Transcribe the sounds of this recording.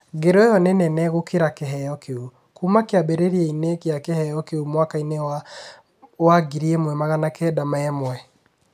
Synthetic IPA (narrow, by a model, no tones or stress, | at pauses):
ɡeɾejɔnɛnɛnɛɣokeɾakeɦɛjɔkʰeu | kumakeabeɾeɾiɛinekeakehɛjɔkeumwakainea | waɡiɾiemwɛmaɣanakɛdamaɛmwɛ